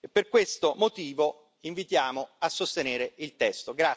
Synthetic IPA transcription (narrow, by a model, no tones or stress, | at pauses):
pːerkwest̪omot̪iːvo | iɱvit̪jaːmoasːost̪eneːɾeilt̪ɛst̪oɡɾa